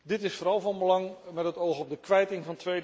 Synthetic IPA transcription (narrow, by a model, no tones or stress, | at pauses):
dɪtɪsfoːɾɑlˠvɑnbəlɑŋmɛtɦətowχɔb̚dəkʋɛjtɪŋvɑntʋej